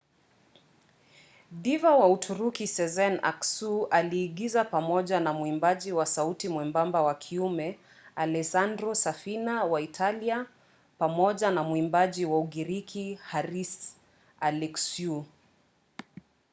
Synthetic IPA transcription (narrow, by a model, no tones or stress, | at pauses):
divawautʰuɾukisɛzɛna̰ksualiːɡizapamɔʄanamuimbaʄiwasautimwɛmbambawakʰiumɛ | alɛsandɾɔsafinawaitʰalia | pamɔʄanamuimbaʄiwauɠiɾikʰihaɾis | alɛksu